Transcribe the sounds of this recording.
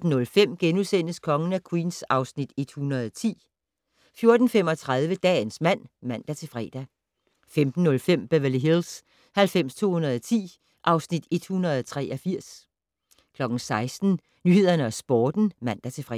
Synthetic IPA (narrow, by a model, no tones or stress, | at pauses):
d̥n̩ːɔ̽lfem̰ɡ̥enusen̰əskʰɒ̽ŋən̩ækʰwiːnsɑ̈ʊsnid̥e̝d̥hunɐðˠɒt͡sʰḭː | fjo̝ɐd̥n̩fem̰ɒ̽t͡sʰʁað̞ˠʋəd̥ɛ̰ːnsmæn̰mæn̰d̥æt͡sʰe̝fʁɛ̰ːd̥æ | femd̥n̩ːɔ̽lfem̰b̥æʋæliɦels | hælfem̰st͡sʰo̝̰ːhunɐðˠɒt͡sʰḭː | ʔɑ̈ʊsnid̥e̝d̥̚hunɐð̞̩ˠɒt͡sʰʁɛ̰ːʔɒfiɐ̰s | kʰlɒ̽ɡ̥n̩sɑ̈ɪsd̥n̩ | nyhe̝ð̞̰ˠɐnəɒsb̥ɒːd̥n̩mæn̰d̥æt͡sʰe̝fʁɛ̰